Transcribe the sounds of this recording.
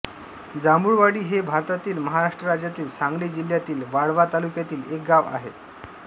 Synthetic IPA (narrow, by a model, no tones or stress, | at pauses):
d͡zamuɭʋaɽiːɦebʱaɾt̪at̪iːlməɦaɾaʂʈɾəɾad͡ʑjat̪iːlsãŋɡɭid͡ʑil̤ːjat̪iːlʋaɽʋat̪alukjat̪iːlek̚ɡaʋa̰ɦḛ